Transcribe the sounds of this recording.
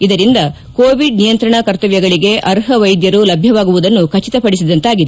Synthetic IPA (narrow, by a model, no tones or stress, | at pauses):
id̪ɐɾind̪ɐ | koːʋiɖ̚nijɐnt̪ɾɐɳɐkɐɾt̪ɐʋjɐɡɐɭiɡe̞ʔɐɾɦɐʋɐjd̪jɐɾulɐbʱjɐʋaːɡuʋud̪ɐnːukɐt͡ʃit̪ɐpɐɽis̬id̪ɐnt̪aːɡid̪e